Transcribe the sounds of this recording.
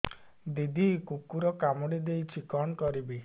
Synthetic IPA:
d̪id̪ʱikukuɾɔkamɔɽid̪ejt͡ʃʰikɔɳkɔɾibi

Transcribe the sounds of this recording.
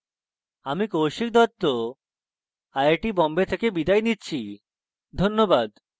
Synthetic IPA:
amikowʃik̚d̪ɔt̪ːo | ajeʈibɔmbet̪ʰekebid̪ajnitːɕʰi | d̪ʱonːobad̪

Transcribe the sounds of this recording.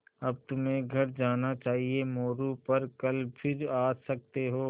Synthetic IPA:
ɐb̚t̪ʊmẽɡʱɐɾd͡ʒaːnat͡ʃaːɦiemoːɾupɐɾkɐlpʰɪɾaːsɐk̚t̪eɦoː

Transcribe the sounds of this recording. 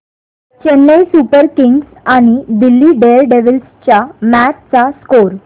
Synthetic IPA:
t͡ɕenːesupəɾkiŋɡs | aɽ̃id̪ilːiɖelɖeʋilst͡ɕjamæt̪̚t͡saskoɾ

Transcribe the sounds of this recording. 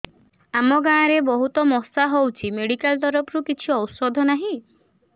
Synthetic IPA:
amɔɡãːɾebɔɦut̪ɔmɔsaɦowt͡ʃʰimeɽikalt̪ɔɾɔpʰɾukit͡ʃʰiɔwsɔd̪ʱɔnaɦĩ

